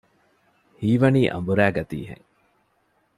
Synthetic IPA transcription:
hiːʋɐniːʔɐ̰mbuɾæːɡɐt̪ḭːɦḛŋ

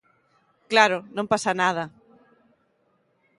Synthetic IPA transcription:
klaɾonõmpasanað̞ɐ

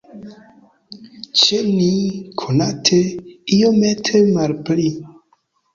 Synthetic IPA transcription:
t͡ʃenikʰonatʰeijometʰemalpli

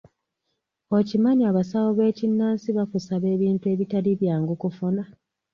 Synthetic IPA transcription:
o̞cimaɲiaβasawoβe̞ːcinːaːnsiβakusaβe̞ːβiːntue̞ːβitaliβjaːŋɡukufuna

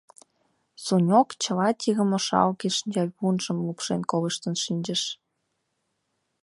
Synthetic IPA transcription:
sunʲokt͡ɕəlɑt̪ʲiɣə̆moʃɑ̰lɣeʃənʲd͡ʑɑβunʒə̆mlupʃenkoleʃt̪ənʃinʲd͡ʑə̆ʃ

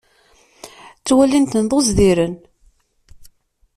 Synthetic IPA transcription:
t͡sːwælint̪ənðˤozðiɾən

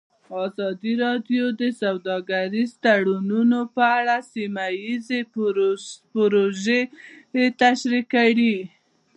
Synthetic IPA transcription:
ɑzɑd̪iɾɑd̪jod̪əsawd̪ɑɡaɾizt̪aɽununopəaɽasimajize | pɾoʒeet̪aʃɾikaɽi

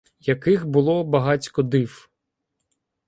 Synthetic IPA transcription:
jɐkɪxbʊlˠɔbɐɦɑt͡sʲkɔd̪ɪw

